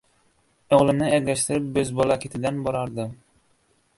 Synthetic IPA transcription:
oʁlˠɪnɪæɡlʲæʃt̪ɪɾɪp̚bɵzbɒlˠɑkʲʰet̪ʰɪd̪ænbɒɾɑɾd̪ɨ

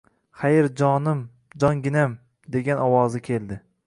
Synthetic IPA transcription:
χajɪɾd͡ʒɒnɪm | d͡ʒɒŋɡʲɪnam | d̪e̞ɡʲanɒwɒzɪkʲʰe̞ld̪ɪ

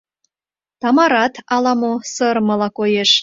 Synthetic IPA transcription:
t̪ɑmɑɾɑt̪ɑlɑmosəɾmə̆lɑkojeʃ

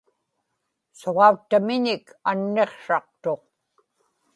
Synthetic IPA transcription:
soʁɑut̪ːamɪɲɪkanːe̞qʂɑq̚t̪o̞q̚

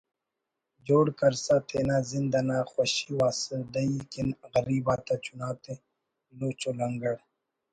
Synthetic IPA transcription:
d͡ʒoːɽkɐɾsat̪ʰeːnaːzind̪anaːxɐɕiwaːsəd̪ɐikinɣɐɾiːbaːt̪at͡ɕunaːt̪e | loːt͡ʃolɐŋɡəɽ

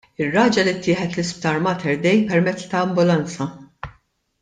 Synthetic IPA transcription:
ɪrːɐːd͡ʒɐlit̪ʰːɪːħɛt̪lɪsp̚t̪ɐɾmɐt̪ʰɛɾd̪ɛjpɛɾmɛt͡sːt̪ɐːmbʊlɐnt͡sɐ

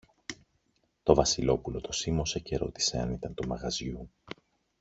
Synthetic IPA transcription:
t̪o̞vɐsilo̞pulo̞t̪o̞simo̞se̞ce̞ɾo̞t̪i̥se̞ɐ̰nit̪ɐnt̪umɐɣɐzʝu

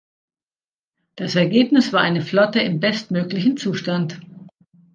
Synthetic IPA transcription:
d̥asɛɐɡeːpnɪsv̥aːɐʔaɪnəflɔtəɪmbɛstmøːklɪçn̩t͡suːʃtant

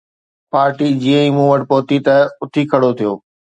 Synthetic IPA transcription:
paːɾʈid͡ʑiːə̃ĩːmũːʋɐʈpoɦt̪it̪ɐʊt̪ʰikʰɐɽot̪ʰijoː

